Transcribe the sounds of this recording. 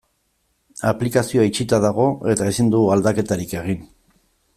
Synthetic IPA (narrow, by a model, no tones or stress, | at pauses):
aplikasioait͡ʃit̪aðaɣ̞o̞e̞t̪aesind̪uald̪ake̞t̪aɾike̞ɣ̞in